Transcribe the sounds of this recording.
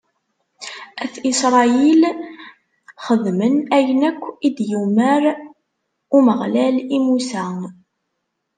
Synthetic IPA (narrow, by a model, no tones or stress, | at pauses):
æθisɾˤɑil | χəðmənæjənækʷːid̪juməɾ | uməʁlælimusæ